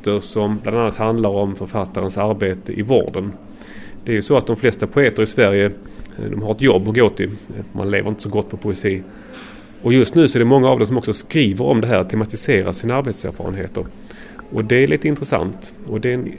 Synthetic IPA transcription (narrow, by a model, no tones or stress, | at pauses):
t̪əɾʂɔmbland̪anːat̪hand̪laɾɔmfœɾfat̪ːaɾənsaɾbeːt̪əʔɪvɔ̰ːɖən | d̪̥ɛæɾjɵsɔat̪̚d̪ɔmflɛst̪apʰʊeːt̪əɾɪsvæɾjəd̪ɔmhaɾɛt̪jɔbːɔɡoːt̪ʰɪma̰nlḛːvəɾɪnt̪ə̥sɔɡɔt̪ːpʰɔpʰʊɛsiː | ɔjɵst̪nʉ̟ːsɔæɖɛmɔŋːaaːvd̪ɛsɔmɔksɔskɾiːvəɾɔ̰md̪ɛɦæːɾt̪ʰɛmat̪ɪseːɾaʂiːnaaɾbeːt̪sæ̰ːɾfɑ̰ːɾə̰nɦḛːt̪əɾ | ɔd̪ɛæɭʔiːt̪əɪnt̪ɾəsa̰nt̪ | ɔd̪ɛn